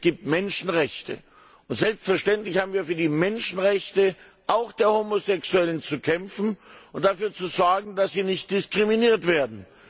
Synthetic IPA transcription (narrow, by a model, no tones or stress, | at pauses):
sɡ̥iːp̚tmɛnʃn̩ʁɛçtə̰ | ʔʊntz̥ɛlpstfɛɐʃtɛntlɪçhaːbm̩viːɐfyːɐdiːmɛnʃn̩ʁɛçtə | ʔaʊxd̥eːɐhoːmozɛksuɛlənt͡sukʰɛmfn̩ʔʊnt̚d̥afyːɐt͡suzɔɐɡŋ̩d̥asz̥iːnɪçt̚d̥ɪskʁ̥iminiːɐtv̥eːɐdn̩